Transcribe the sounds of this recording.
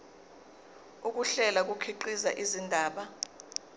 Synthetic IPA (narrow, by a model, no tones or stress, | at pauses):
uk̬uɬɛlak̬ukʰiǃizaʔizindʱaːɓa